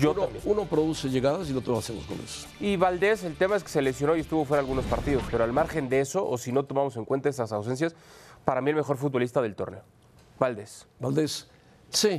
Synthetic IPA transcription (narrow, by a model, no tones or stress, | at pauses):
oounopɾoðuseʝeɣaðas̬ilot̪ɾosasemozɣoles | iβald̪e̞se̞lt̪e̞mae̞skeselesjo̞no̞ie̞st̪uβo̞fweɾalɣuno̞spaɾt̪ið̞o̞speɾo̞almaɾxe̞nd̪ee̞so̞ʔosino̞t̪o̞mamo̞s̬eŋkwe̞nt̪ae̞st̪asawse̞ns̬jaspaɾamie̞lme̞xo̞ɾfut̪̚βo̞list̪aðe̞lt̪o̞̰ɾne̞o | βald̪e̞sbald̪es | se